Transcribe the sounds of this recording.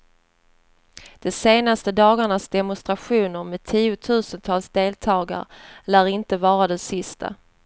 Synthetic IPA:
d̪̥ɛseːnast̪əd̪ɑːɡaɳasd̪ɛmʊnst̪ɾaɧuːnəɾmeːd̪̚t̪ʰiːʊt̪ʰʉ̟ːsənt̪ʰɑːlsd̪eːlt̪ʰɑːɡa̰ɾlæːɾɪnt̪əvɑːɾad̪ɛsɪst̪ʰa̰

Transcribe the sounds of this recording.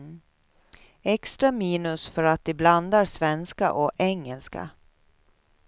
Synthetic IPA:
ɛkst̪ɾamiːnɵsfœɾat̪̚d̪ɪbland̪aɾsvɛnska̰ʔɔʔɛŋːɛlska̰

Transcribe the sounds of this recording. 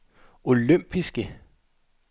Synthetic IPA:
o̝løm̰b̥ʰisɡ̥ə

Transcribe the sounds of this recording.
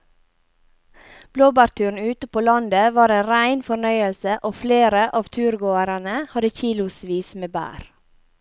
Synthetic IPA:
b̥loːbɑːɾt̪ʰʉːɳ̩ʉːt̪əpʰoːlɑnd̪əʋɑːɾeːnɾæɪnfɔɳœʏəlsəʔoːfleːɾəʔɑːʋt̪ʰʉːɾɡoːəɾənəhɑd̪əçiːlʊsʋiːsmeːbæ̰ːɾ

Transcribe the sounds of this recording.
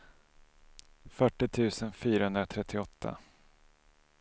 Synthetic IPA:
fœʈːɪt̪ʰʉ̟ːsənfyːɾahɵnd̪ɾat̪ʰɾɛt̪ʰːɪɔt̪ʰːa̰

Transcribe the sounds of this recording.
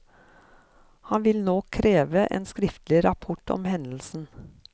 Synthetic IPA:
hɑnʋɪlnoːkʰɾeːʋəʔḛːnskɾɪft̪lɪɾɑpʰʊʈʰɔ̰mhɛnl̩sn̩

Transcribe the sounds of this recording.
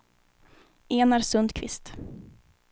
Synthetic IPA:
ʔeːnæɾsɵnd̪kʰvɪ̰st̪

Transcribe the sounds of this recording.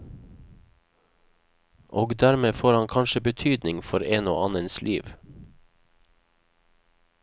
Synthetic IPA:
ʔoːɡd̪æɾmeːfoːɾhɑŋkʰɑnʃəbət̪ʰyːd̪nɪŋfɔɾeːno̰ːʔɑnənslḭːʋ

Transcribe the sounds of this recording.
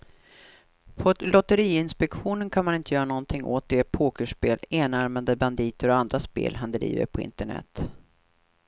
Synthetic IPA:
pʰɔt̪lɔt̪əɾiːɪnspɛkɧuːnənkʰanmanɪnt̪əjœːɾanɔnt̪ʰɪŋːʔoːt̪̚d̪eːpʰoːkəʂpeːleːnaɾmad̪əband̪iːt̪əɾɔand̪ɾaspḛːlɦand̪ɾḭːvə̰ɾpʰɔɪ̰nt̪əɳɛ̰t̪ː

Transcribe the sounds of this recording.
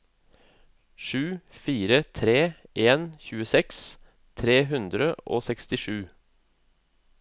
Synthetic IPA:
ʃʉːfiːɾət̪ʰɾeːʔeːnçʉːəsɛks | t̪ʰɾeːɦʉnd̪ɾəʔo̰ːsɛkst̪ɪʃʉː

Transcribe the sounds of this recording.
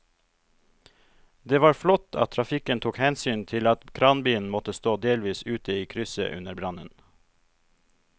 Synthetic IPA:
d̪eːʋɑːɾflɔt̪ʰɑ̰t̪ʰɾɑfɪkənt̪ʰuːkhɛnsyːnt̪ʰɪlɑt̪kʰɾɑːnbiːn̩mɔt̪əst̪oːd̪eːlʋiːsʉːt̪əiːkʰɾʏsə̰ʔʉ̰nəɾbɾɑnən

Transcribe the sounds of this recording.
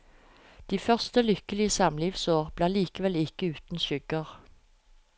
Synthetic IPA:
d̪̥iːfœʁst̪əlʏkəlɪəsɑmliːʋsoːʁb̥leːliːkəʋɛlɪkəʉːt̪n̩ʃʏɡəʁ

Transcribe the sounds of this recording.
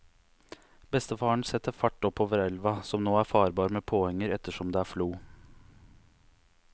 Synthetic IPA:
bɛst̪əfɑːɳ̩sɛt̪əfɑʈːɔpʰːoːʋəɾɛlʋɑsɔmnoːæːɾfɑːɾbɑːɾmeːpʰoːhɛŋːəɾɛt̪əʃɔmd̪eːæːfluː

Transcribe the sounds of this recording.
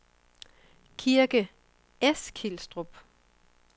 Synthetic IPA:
kʰiɐɡ̥ə | eskʰilsd̥ʁob̥

